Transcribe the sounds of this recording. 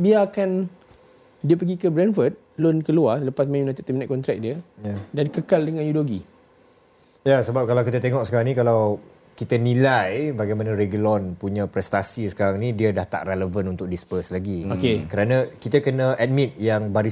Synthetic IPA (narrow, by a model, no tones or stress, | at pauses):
biaːkan | diəpəɡikəbɾɛnfəd̚ | lonkəlualəpasmãmnat̪ət̪ɛminãt̪̚kɔnt̪ɾɛk̚diədankəkaldəŋãnjudoɡi | jasəbap̚kalawkit̪ət̪eŋɔksəkaɾaŋnĩkalaw | kit̪ənĩlajbaɡajmanãɾeɡulɔnpuɲãpɾɛst̪asisə̥kaɾaŋnidiədaht̪a̰ʔreləvənunt̪ʊk̚dispəslaɡiokekəɾanãkit̪əkənaʔɛt̪̚mit̪̚jaŋbaɾi